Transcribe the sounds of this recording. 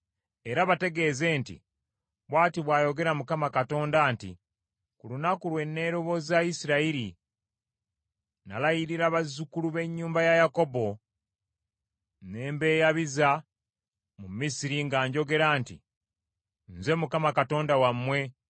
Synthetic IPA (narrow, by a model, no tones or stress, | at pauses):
e̞ɾaβate̞ɡe̞ːze̞ːntḭ | βwaːtiβwaːjo̞ɡe̞ɾamukamakato̞ːndantḭ | kulunakulwe̞nːe̞ːɾo̞βo̞zaisiɾaiɾi | na̰lajiɾiɾaβazukuluβe̞ɲːuːmbajajako̞bo̞ | ne̞ːmbe̞ːjaβiza | mumisiɾiŋɡaːɲɟo̞ɡe̞ɾaːntḭ | nze̞mukamakato̞ːndawamːwe̞